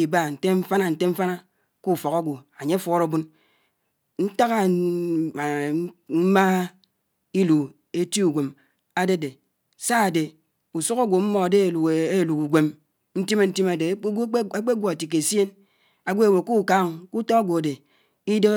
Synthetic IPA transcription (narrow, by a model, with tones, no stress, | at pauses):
i˨ba˦˨n̩˨te˦ɱ̩˦fa˦na˨n̩˨te˦ɱ̩˦fa˦na˦ | ku˦˨fɔ˨ka˦ɡʷo˨a˨ɲe˦a˦fɔ˦ɾo˨bu˦n | n̩˦ta˦ɣa˦˨˦ | ma˦ | i˦lu˨ | e˦ti˦u˨ɡʷe˨m | a˦de˦˨de˨ | sa˦a˨de˨ | u˨su˦ka˦ɡʷo˨m̩˦mɔ˨de˦˨e˦˨lu˨ku˨ɡʷe˨m | n̩˦ti˦me˨n̩˦ti˦ma˨de˨˦a˦k͡pe˦ɡʷo˨a˨ti˨k̬e˨se˦n | a˨ɡʷe˦e˨we˨ku˦˨ka˦ŋ˨ku˦tɔ˦a˦ɡʷo˨a˨de˨ | i˦de˦